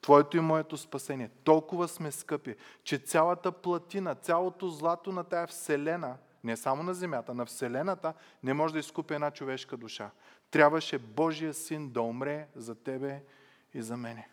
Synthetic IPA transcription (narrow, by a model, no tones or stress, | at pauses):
t̪vɔɛt̪oimɔɛt̪ospɐsɛniɛt̪ɔlˠkʊvɐsmɛskɤpit͡ʃɛt̪sʲalˠɐt̪əplˠɐt̪inɐt̪sʲjalˠot̪ozlˠat̪onɐt̪ajɐfsɛlɛnə | nɛsamoʊnɐzɛmʲjat̪ənɐfsɛlɛnɐt̪ənɛmɔʒɛd̪ɐiskupʲiɛd̪nat͡ʃovɛʃkɐd̪ʊʃat̪ɾʲabvɐʃɛbɔʒijəsind̪ɐomɾɛzɐt̪ɛbɛ | izɐmɛnɛ